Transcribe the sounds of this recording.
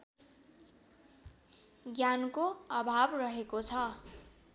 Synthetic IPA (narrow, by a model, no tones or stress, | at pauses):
ɡjankoʌbʱabrʌɦekot͡sʰʌ